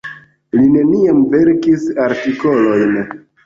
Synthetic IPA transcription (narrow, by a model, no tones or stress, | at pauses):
line̞niamve̞ɾkisaɾtiko̞lo̞jn